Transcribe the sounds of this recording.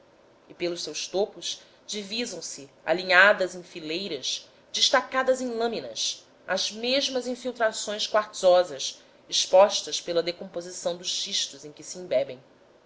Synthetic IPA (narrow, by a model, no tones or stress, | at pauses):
ipelˠʊʃsewʃt̪opʊʃ | d͡ʒivizɐ̃w̃sia̰liɲad̪ɐzẽj̃filejɾɐʃ | d͡ʒiʃt̪akad̪ɐzẽj̃lɐ̃minɐs | ɐzmeʒmɐzĩfiwt̪ɾasõj̃skwaɾtzɔzɐs | iʃpɔʃt̪ɐspelɐd̪ekõpozisɐ̃w̃d̪ʊʃʃiʃt̪ʊzẽj̃kʲɪsiĩbɛbẽj̃